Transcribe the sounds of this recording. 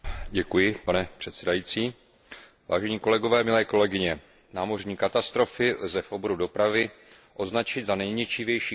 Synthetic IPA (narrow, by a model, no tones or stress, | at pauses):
ɟɛkujɪpanɛpr̥ɛt̪sɛdajiːtt͡siː | va̰ːʒɛɲiːko̞lɛɡo̞vɛːmɪlɛːko̞lɛɡɪɲɛ | naːmo̞rɲiːkat̪ast̪ɾo̞fɪlzɛfʔoboɾudo̞pɾavɪ | ʔo̞znat͡ʃɪd̪zanɛjɲɛt͡ʃɪvjɛjʃiː